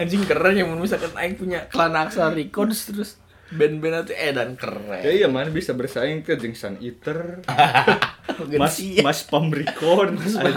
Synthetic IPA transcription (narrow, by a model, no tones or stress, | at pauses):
aɲd͡ʒɪŋkərɛd͡ʒamanbis̬alkanʔaɪŋ̚puɲakəlanaksarikɔrdst̪əɾʊs | bɛnbɛnat̪uedankə̰rɛ̰jaijamanabisabərsajɪŋt̪d͡ʒiŋsa̰nit̪ər | ɡəmasimaspamrikɔs